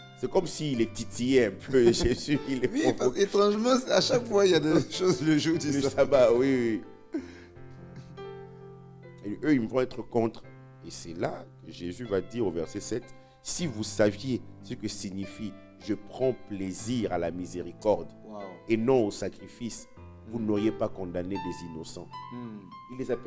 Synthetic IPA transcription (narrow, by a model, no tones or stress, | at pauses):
sɛkɔmsiːlɛt̪it̪ijeɛ̃pʰøʒezyilɛiɔpaet̪χɑ̃ʒmɑ̃saʃakfwãiljad̪eʃozləʒud̪iləsabawiwi | øilvɔ̃ɛt̪χəkɔ̃t̪χ | esɛlakəʒezyvad̪iʁovɛʁsɛsɛt̪ | sivusavjesəkəsiɲifi | ʒəpχɑ̃pleziʁalamizeʁikɔʁd̪enɔ̃osakʁifis | vunɔʁjepakɔ̃d̪aned̪ezinɔsɑ̃ | ilːezapɛ